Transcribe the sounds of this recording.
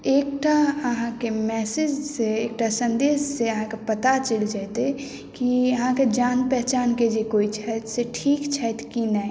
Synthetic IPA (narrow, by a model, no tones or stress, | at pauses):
eːk̚ʈaəɦãkemɛːsɪd͡ʒseeːk̚ʈasə̃nd̪eːsseəɦãkepət̪at͡ʃəld͡ʒat̪e | kiəɦãked͡ʒaːnpɛɦt͡ʃaːnked͡ʒekoːit͡ʃʰɛt̪seʈʰiːkt͡ʃʰɛt̪kinɛ